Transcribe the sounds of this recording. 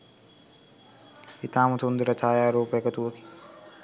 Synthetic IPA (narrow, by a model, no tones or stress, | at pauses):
kit̪aːmɐt̪ʰund̪ɾɐt̪ʰaːjaːɾoːpekɐt̪uɐki̥